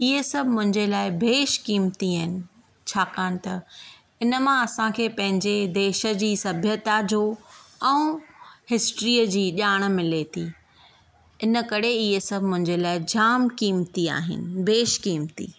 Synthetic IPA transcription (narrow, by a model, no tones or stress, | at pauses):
ɪɦesɐbʱmʊ̃ɦɪ̃ɲd͡ʑelaːɪbʱeːʃkiːmt̪iaːɦɪnɪ̆ | t͡ɕʰaːkaːñɪ̆t̪ɐ | ɪnəmãɐsãkʰeːpɐ̃ɦɪ̃ɲd͡ʑed̪eːʃə̆d͡ʑiːsɐbʱjət̪ad͡ʑoːɛ̃ũhɪsʈɾiːəd͡ʑiːʄaːɽ̃ə̆mɪlet̪ʰiː | ɪnə̆kɐɾeɪɦesɐbʱmʊ̃ɦɪ̃ɲd͡ʑelaːɪd͡ʑaːmkiːmt̪ia̰ːɦɪ̰nɪ̆beːʃkiːmt̪ḭ